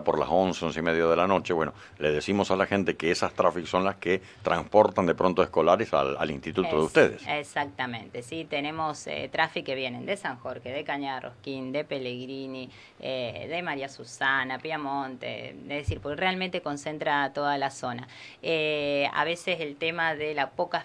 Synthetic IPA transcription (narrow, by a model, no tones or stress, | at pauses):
poɾla̰sonseonsimeðjaðelano̞t͡ʃeβwe̞no | leðesimo̞salaxe̞nt̪e̞keesast̪ɾafikso̞nlaske | t̪ɾʔa̰nspo̞ɾt̪and̪e̞pɾont̪oesko̞laɾesa̰la̰lḭnst̪it̪ut̪oðeust̪eðḛsesak̚t̪amẽnt̪esit̪enẽmo̞sḛt̪ɾafikːeβje̞nend̪esaŋxoɾxeðekaɲarʔo̰hkind̪epeleɣɾini | eðemaɾiasusanapjamont̪ḛd̪eðesiɾpokrealmẽnt̪eko̞nse̞nt̪ɾat̪oðalaso̞na | ea̰βeseselt̪emaðelapo̞ka